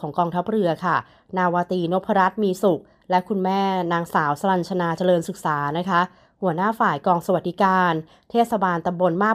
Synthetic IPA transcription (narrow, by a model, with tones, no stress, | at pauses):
ɔː˩˦ŋkɔː˧ŋt̪ʰa˦˥p̚ɾɯ˧ɐkʰa˥˩ | naː˧waː˧t̪iː˧no˦˥pʰːa˧ɾa˦˥t̪̚miː˧su˨˩k̚ | lɛ˦˥kʰu˧nmɛː˥˩naː˧ŋsaː˩˦wsa˧ɾa˧nt͡ɕʰa˧naː˧t͡ɕa˧lɤː˧nsɯ˨˩k̚saː˩˦na˦˥kʰa˦˥ | hu˩˦ɐnaː˥˩faː˨˩jkɔː˧ŋsa˧wa˨˩t̪̚di˦kaː˧n | t̪ʰeː˥˩t̪̚sa˧baː˧nt̪a˧mbo˧nmaː˥˩